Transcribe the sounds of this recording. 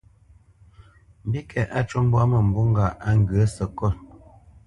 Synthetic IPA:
m̩˨bi˦kʰɛ˨ʔa˦˨t͡ʃu˦m˦bwa˦mə˨m̩˨bu˦ŋ̩˦ɡa˨ʔa˦ŋ˦ɡə˨˦sə˨kɔ˦˨

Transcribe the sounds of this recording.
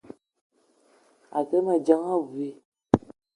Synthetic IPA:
a̰˨kɛ˦ma˨d͡ʒa˦ŋa˦vu˨e˦˨

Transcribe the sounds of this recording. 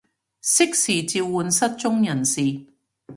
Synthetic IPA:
sɪ˥k̚siː˨˩t͡siː˧wːuː˨˧nsɐ˥t̚t͡ʃʊ˥ŋjɐ˨˩nsiː˨

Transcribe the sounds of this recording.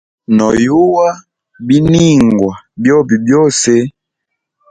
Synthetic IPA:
nɔ˨ju˦wa˦ | bi˦ni˦ŋɡwa˨bjɔ˦bi˨bjɔ˦˨sɛ˦

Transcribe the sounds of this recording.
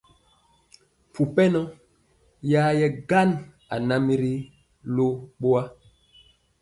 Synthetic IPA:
mpu˨pɛ˦nɔ˦ | ja˦jɛ˦ɡa˦n | a̰˨na˦mi˦ɾi˦ | lo˦ɓo˦a˦

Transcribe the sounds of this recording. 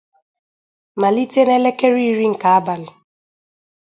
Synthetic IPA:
ma˨li˦te˦nɛ˦le˦ke˦ɾi˦ɾi˦ŋ̩˨ka˨a˦ba˨lɪ˨

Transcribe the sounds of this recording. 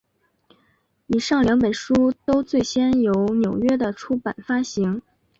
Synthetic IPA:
i˨˩ʂɑ˥˩ŋljɑ˧˥ŋpə˨˩nʂu˥t̪o˥ʊt͡swe˥˩ɪɕjɛ˥njo˧˥ʊnjo˨˩ʊɥɛ˥d̪ə˨ʈ͡ʂʰu˥pa˨˩nfa˥ɕi˧˥ŋ

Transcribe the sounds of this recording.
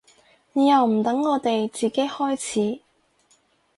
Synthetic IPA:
niː˨jɐ˨˩wm̩˨˩t̪ɐ˨˥ŋːɔː˨˧t̪e˨jt͡siː˨ke˨˥jhɔː˥jt͡sʰiː˨˥

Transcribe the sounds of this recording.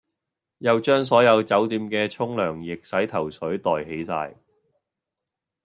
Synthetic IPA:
jɐ˨wt͡ʃœː˥ŋs̬ɔː˨˥jɐ˨˧wt͡sɐ˨˥wt̪iː˧mkɛː˧t͡ʃʰʊ˥ŋlœː˨˩ŋjɪ˨k̚sɐ˨˥jt̪ʰɐ˨˩wsʰɵ˨˥ɥt̪ɔː˨jɦe˨˥jsa̰ː˧j

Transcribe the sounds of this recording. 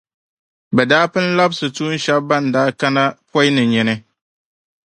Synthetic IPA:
bɛ˨daː˦pɨ˦n̩˦la˦bsɨ˨tuː˦n̩˦ʃɛ˦b̚ba˦n˨daː˦ka˦na˦pɔ˦jnɨ˨ɲɛ˨nɨ˦

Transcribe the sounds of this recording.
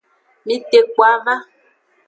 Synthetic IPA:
mĩ˦te˨kwa˨˦ɣa˦

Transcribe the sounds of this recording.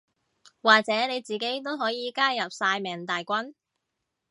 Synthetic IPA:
waː˨k̚t͡sɛː˨˥ne˨˧jt͡siː˨ke˨˥jt̪o˥wɦɔː˨˥jiː˨˧kaː˥jɐ˨p̚saː˧jmɛː˨˩ŋt̪aː˨jkʷɐ˥n

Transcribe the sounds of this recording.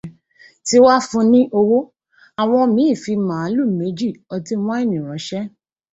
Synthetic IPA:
ti˦wa˦fũ˧nĩ˦ʔo˧wo˦ | a˨w̃ɔ̃˧mĩ˨˦i˦˨fi˧mã˨˦lu˦˨me˨˦d͡ʒi˦˨ɔ˧ti˧˦w̃ɔ̃˦i˦˨nĩ˨ɾ̃ɔ̃˨˦ʃɛ˦

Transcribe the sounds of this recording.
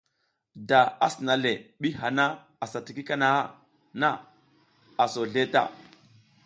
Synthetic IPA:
da˨a̰˦si˨na˨le˨ɓi˦ha˨na˦ | a˨sa˨ti˨ki˦ka˦na˨a˦ | na˦ | a˨so˨ɮe˦ta̰˦˨

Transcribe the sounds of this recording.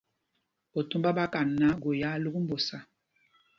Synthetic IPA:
o˨tu˦mba˦ba˦ka˨nː˨a˨˦ɡo˨ja˦lu˦ɡu˦m̩˦bo˨sa˦

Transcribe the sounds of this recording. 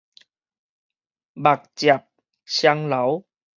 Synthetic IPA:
ba˨˩k̚t͡ɕa˨˩p̚ | ɕja˧ŋla˨˦w

